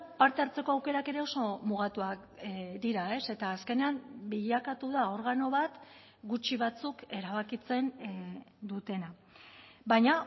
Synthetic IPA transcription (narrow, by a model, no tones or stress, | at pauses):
paɾt̪e̞aɾt͡se̞ko̞awke̞ɾake̞ɾe̞o̞so̞muɣat̪uak | d̪iɾae̞se̞t̪aːske̞ne̞ambiʎakat̪uðao̞ɾɣano̞βat̪ | ɡut͡ʃiβat͡suke̞ɾaβ̞akit͡se̞n | d̪ut̪e̞na | βajɲa